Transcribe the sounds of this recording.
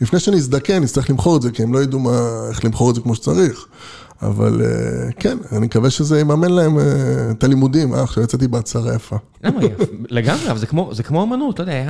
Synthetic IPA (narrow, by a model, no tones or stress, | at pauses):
lifnejʃeaniːs̬d̪akeanitst̪aʁiχlimχo̞ʁeze̞kie̞mlo̞jod̪umaeχlimχo̞ʁedzekmoʃet͡saʁiχ | a̰va̰lḛkenanimkaveʃezeemame̞nlae̞met̪alimud̪imʔa̰χʃavjat͡set̪ibeat͡saʁajafa | ɡamaleɡamʁeavalzekmozekmoamanut̪lojdeaa